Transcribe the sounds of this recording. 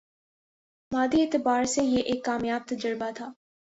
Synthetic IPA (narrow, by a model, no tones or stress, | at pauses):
maːd̪ieːt̪ɪbaːɾsejeʔeːkːaːmjaːb̚t̪ɐd͡ʒəɾbat̪ʰaː